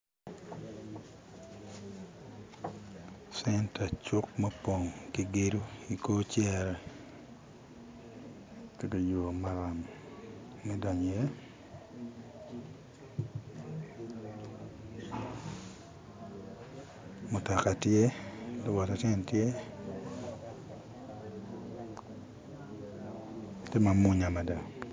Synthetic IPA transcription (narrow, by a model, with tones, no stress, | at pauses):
sɛ˦nta˨t͡ʃʊ˦k̚ma˦po˨ŋki˨ɡe˦ɾu˦i˨koː˦t͡ʃjɛ˦ɾɛ˨ | ke˦ka˨jo˨ma˨ɾa˨m | mɛ˦da˨ɲ˨je˦ | mʊ˨ta˨ka˨tje˦to˦wa˨ta˨tɛ˦˨ntje˦ | te˦ma˨mu˦ɲa˨ma˨da˨